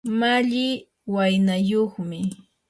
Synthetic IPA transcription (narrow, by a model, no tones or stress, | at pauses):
maʎɪ | wajnajoχmɪ